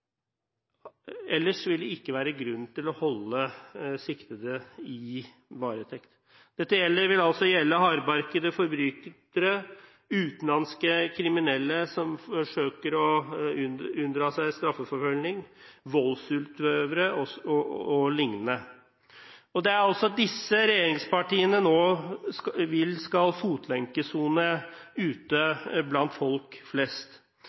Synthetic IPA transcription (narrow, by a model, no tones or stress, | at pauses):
ɛlːəʂʋɪld̪ɛɪkːəʋæːɾəɡɾʉnːt̪ɪlɔhɔlːəsɪkt̪əd̪əɪ | ʋɑːɾət̪ʰɛkt̪ | d̪̥ɛt̪ːəjɛlːəɾʋɪlɑlsɔjɛlːəɦɑːɾbɑɾkəd̪əfɔɾbɾyːt̪t̪əɾə | ʉːt̪nlɑnskəkʰɾɪmɪnɛlːəsɔmfɔʂøːkəɾɔ | ʉnd̪ɾɑːsæɪst̪ɾɑfːəfɔɾfœlnɪŋʋɔlːsʉlt̪ʋøːʋəɾəɔɔɔlɪŋnə | ɔd̪ɛæɾɑlsɔɑt̪̚d̪ɪsːəɾɛjeːɾɪŋspɑʈiːənənoː | ʋɪlskɑlfuːt̪ʰlɛŋkəsuːnəʉːt̪əblɑnt̪fɔlkflɛst̪